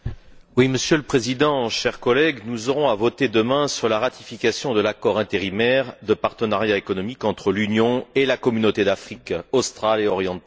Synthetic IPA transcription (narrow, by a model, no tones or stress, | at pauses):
wiməsjøləpχezid̪ɑ̃ʃɛʁkɔlɛɡnuzɔʁɔ̃avɔt̪ed̪əmɛ̃syʁlaʁat̪i̥fikasjɔ̃d̪əlakɔʁɛ̃t̪eʁimɛʁd̪əpaʁt̪ənaʁjaekɔnɔmikɑ̃t̪χəlynjɔ̃elakɔmynot̪ed̪afχikɔst̪χaleɔʁjɑ̃t̪